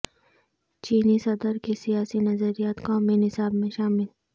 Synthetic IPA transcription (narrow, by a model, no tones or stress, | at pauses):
t͡ʃiːnisɐd̪əɾkesijaːsinɐzəɾijaːt̪kaːminɪsaːbmẽʃaːmɪl